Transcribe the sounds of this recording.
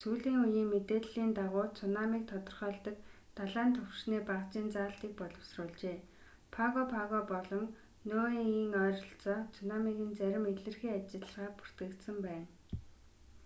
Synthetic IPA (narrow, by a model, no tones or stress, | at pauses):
suːɮiːŋujiːŋmet̪eːɮːiːnt̪aʁʊːt͡sʰʊnamiːk̚t̪ʰɔt̪ɞ̆rχœːɮt̪ə̆k | t̪aɮaːnt̪ʰʊwʃniːpaʁt͡ɕiːnt͡saːɬt̪iːk̚pɔɮɞ̆wsrʊːɮt͡ɕeː | pʰaɣɔpʰaɣɔpɔɮɞ̆ŋ | noːiːŋœːrɞ̆ɬt͡sɔːt͡sʰʊnamiɣĭnt͡sæɾʲɪ̆meɮɘ̆rxiːat͡ɕɪ̆ɮə̆ʁaːpu̥r̥t̪ɡɘ̆kt̪sə̆mpæːn